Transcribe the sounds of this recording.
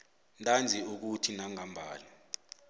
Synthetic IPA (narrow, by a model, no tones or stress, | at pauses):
ntʼand͡zʱiuk̬utʰinaŋambʱaːlɛ